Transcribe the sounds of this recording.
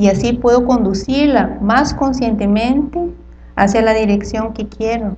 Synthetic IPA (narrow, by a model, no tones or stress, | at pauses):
iasipwe̞ðoko̞nd̪usiɾlamaskonsje̞nt̪emẽnt̪e | asjalaðiɾeksjo̞ŋkekjeɾo